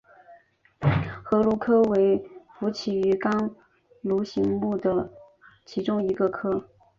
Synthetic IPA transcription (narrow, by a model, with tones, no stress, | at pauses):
xɤ˧˥lu˧˥˩kʰɤ˥we˧˥ɪfu˧˥t͡ɕʰi˨˩y˧˥kɑ˥ŋ | lu˧˥ɕi˧˥ŋmu˥˩d̪ə˩ | t͡ɕʰi˧˥ʈ͡ʂʊ˥ŋi˧˥ɡə˧kʰɤ˥